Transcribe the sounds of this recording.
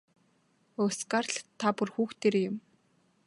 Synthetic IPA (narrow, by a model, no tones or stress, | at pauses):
ʊskarɮt̪ʰːapʊ̆rxuːxt̪ʰeːɾejʊm